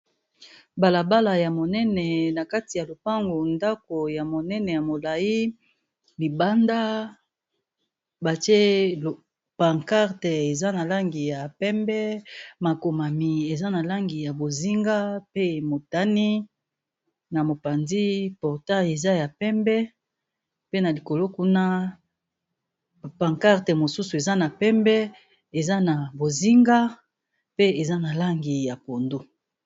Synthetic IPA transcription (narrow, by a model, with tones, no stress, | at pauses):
ba˨la˨ba˦la˨ja˨mo˨nɛ˦nɛ˨na˨ka˦ti˨ja˨lo˨pa˦ŋɡo˨nda˦ko˨ja˨mo˨nɛ˦nɛ˨ja˨mo˨la˨ji˦ | li˨ba˦nda˦ | ba˨ti˦e˦lo˨ | pa˨ŋka˦ʁte˨e˨za˦na˨la˦ŋɡi˨ja˨pɛ˦mbɛ˦ma˨ko˨ma˨mi˨e˨za˦na˨la˦ŋɡi˨ja˨bo˨zi˦ŋɡa˦pe˦mo˨ta˦ni˦ | na˨mo˨pa˨nzi˦pɔ˨ʁta˦je˨za˦ja˨pɛ˦mbɛ˦ | pe˦na˨li˨ko˨lo˦ku˦na˦ | pa˨ŋka˦ʁte˨mo˨su˦su˨e˨za˦na˨pɛ˦mbɛ˦ | e˨za˦na˨bo˨zi˦ŋɡa˦ | pe˦e˨za˦na˨la˦ŋɡi˨ja˨po˨ndo˦